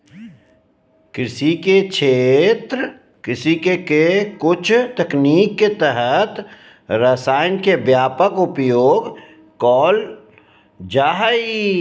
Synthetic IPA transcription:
kɾɪsiket͡ʃʰeːt̪ɾ | kɪsikekekʊt͡ʃʰt̪ɐkniːkːet̪əɦət̪ | ɾəsaːɪnkebjaːpəkʊpjoːɡ | kɔːl | d͡ʒaːɦi

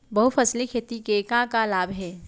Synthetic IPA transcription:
bɐɦufʰɐslikʰeːt̪ikekãːkalaːbɦɛː

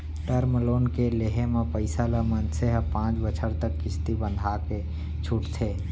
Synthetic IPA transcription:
ʈəɾməloːnkeleɦemẽpəɪsaləmənseɦəpãːt͡ʃbət͡ʃʰəɾt̪əkːɪst̪ibə̃nd̪ʱake | t͡ʃʰʊʈt̪ʰe

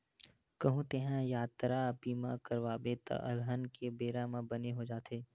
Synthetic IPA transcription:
kɐɦũt̪eɦãjaːt̪ɾaəpiːmãkɐɾʋaːbet̪ɐ̰ʔɐlɦənkebeːɾãmãbɐneɦod͡ʒaːt̪eː

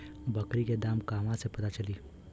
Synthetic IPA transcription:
bɐkɾiked̪aːmkaːmãsepɐt̪at͡ʃɐliː

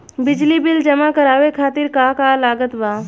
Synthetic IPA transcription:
bɪd͡ʒlibɪld͡ʒɐmakɐɾaːʋekʰaːt̪ɪɾkaːkaːlaːɡət̪baː

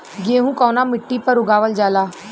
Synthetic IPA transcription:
ɡeːɦũːkɔːnaːmɪʈːipəɾʊɡaːʋəld͡ʒaːlaː

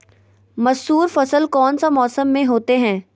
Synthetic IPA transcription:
mɐsuːɾfɐsəlkɔːnsamɔːsəmːẽɦoːt̪eɦɛ̃ː

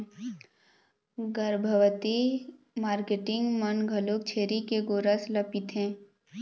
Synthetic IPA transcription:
ɡəɾbʱəʋt̪i | maːɾkeʈɪ̃ŋɡmənɡʱəlok̚t͡ʃʰeːɾikeɡoːɾəsləpɪt̪ɦɛ̃ː

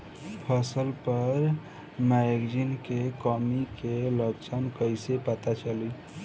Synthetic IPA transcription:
pʰəsəlpəɾ | maɡd͡ʒinkekɔmikeləɡt͡ʃʰənkəjsepət̪at͡ʃəli

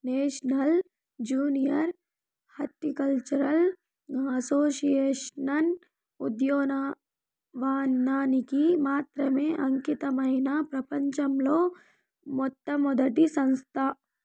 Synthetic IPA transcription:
neːʃnɐl | d͡ʒuːnijɐɾ | hɐʈ̪ːikɐlt͡ʃɐɾɐl | ɡãːsoːʃijeːʃnɐn | ud̪joːna | ʋaːnːaːnikimaːt̪ɾɐmẽʔɐŋkit̪ɐmɐɦinaːpɾɐpɐɲt͡ʃɐmloː | mɔt̪ːɐmɔd̪ɐʈ̪isɐ̃nst̪ʰaː

